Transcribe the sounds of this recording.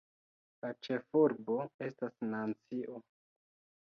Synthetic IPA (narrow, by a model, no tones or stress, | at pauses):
lat͡ʃe̞fuɾbo̞e̞stasnant͡siʔo